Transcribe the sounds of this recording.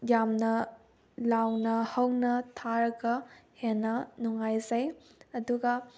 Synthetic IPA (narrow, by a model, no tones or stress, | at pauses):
jamnɐ | lawnɐhɐwnɐtʰaɾɐɡɐhenːɐnuŋajzɐj | ɐduɡɐ